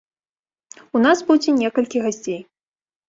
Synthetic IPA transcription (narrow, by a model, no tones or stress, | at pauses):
unasbud͡zʲinʲɛkɐlʲkʲiɣasʲt͡sʲej